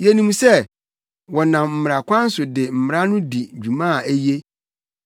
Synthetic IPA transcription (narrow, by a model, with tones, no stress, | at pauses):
jɛ˨nĩ˦mũ˦sɛ˦ | wɔ˨nã˨mm̩˨m˨ɾa˨kʷʰã˦n̩˦sʊ˨dɪ˨m̩˨m˨ɾa˦nʊ̃˦di˨d͡ʑᶣu˨mã˦˨e˦je˦